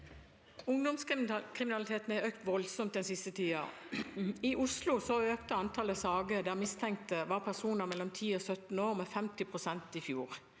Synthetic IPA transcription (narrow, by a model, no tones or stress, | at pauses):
ʊŋd̪ɔmskʁɪmɪnɑlɪt̪ʰeːt̪ən̩æøːk̚t̪ʋɔlsɔmt̪̚d̪ɛnsɪst̪ət̪ʰiːɑ̰ | ɪʔʊslʊsɔøːkt̪əɑnt̪ʰɑləsɑːɡəd̪æːʁmɪst̪ʰɛŋk̚t̪əʋɑːʁpʰæʁsuːnəʁmɛlːɔmt̪ʰiːɔsœt̪n̩oːʁmɛːfɛmt̪ɪpʰʁʊsɛnt̪ɪfjuːʁ